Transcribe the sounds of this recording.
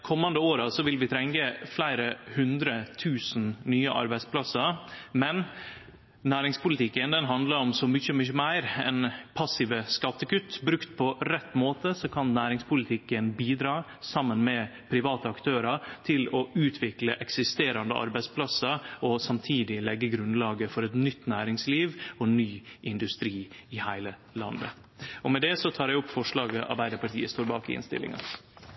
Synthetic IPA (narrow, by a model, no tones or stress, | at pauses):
kʰɔmːɑnd̪əoːɾɑsɔʋɪlʋɪt̪ʰɾɛŋkəflæɪɾəhʉnd̪ɾət̪ʰʉːsn̩nyːəʔɑ̰ɾbæɪspʰlɑsəɾmɛn | næːɾɪŋspʊlɪt̪ʰɪkːənd̪ɛnɦɑnd̪ləɾɔmsɔmʏçəmʏçəmæɪɾɛ̰npʰɑsɪʋəskɑt̪ːəkʉt̪ːbɾʉkt̪̚pʰɔɾɛt̪ːmoːt̪əsɔkʰɑnnæːɾɪŋspʰʊlɪt̪ʰɪkːənbiːd̪ɾɑː | sɑmːənmɛpʰɾɪʋɑːt̪əɑkt̪ʰøːɾɑt̪ʰɪlɔʉːt̪ʰʋɪkləʔɛksɪst̪eːɾɑnd̪ə̰ʔɑ̰ɾbæɪspʰlɑsɑɾɔsɑmt̪ʰiːd̪ɪlɛɡːəɡɾʉnlɑːɡəfɔɾɛt̪nʏt̪ːnæːɾɪŋsliːʋɔnyːʔɪnd̪ʉst̪ɾiːɪhæɪlə | lɑ̰nd̪ə̰ | ʔɔmɛd̪ɛsɔt̪ʰɑːɾɛʊpːfɔʂlɑːɡəʔɑ̰ɾbæɪd̪əɾpɑʈʰḭːəst̪oːɾbɑ̰ːkɪɪ̰nst̪ɪ̰lːɪ̰ŋɑ̰